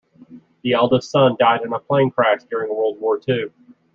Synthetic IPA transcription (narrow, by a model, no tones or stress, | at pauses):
ðiɛlˠdəstsʌ̃ndaɪɾɨ̃nəpʰl̥ẽɪ̃nkʰɹ̥ækd̥ʊɹɪ̃ŋðəwɜ˞lˠd̚wɔɹtʰʉ